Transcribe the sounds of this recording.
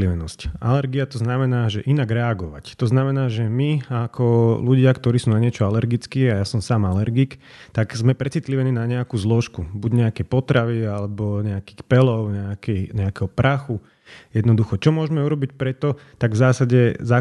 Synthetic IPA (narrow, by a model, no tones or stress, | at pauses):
liʋɛnɔsca̰lɛɾɡiat̪ɔznamɛnaːʒɛʔinaɡɾɛaɡɔʋa̰ct̪ɔznamɛnaːʒɛmiakʰɔluɟɪakt̪ɔɾiːsuːnaɲɪɛt͡ʃɔalɛɾɡit͡skiːajasɔmsaːmalɛɾɡik | t̪aɡzmɛpɾɛt͡sit̪liʋɛniːnaɲɛakuːzlɔʃkubuɟɲɛakɛjpɔt̪ɾaʋialɛbɔɲɛakiːxpɛlɔʊɲɛakɛɲɛakɛɦɔpɾʔaxu | jɛd̪nɔd̪uxɔt͡ʃɔmʊɔʒmɛuɾɔbicpɾɛt̪ɔt̪aɡvzaːsaɟɛza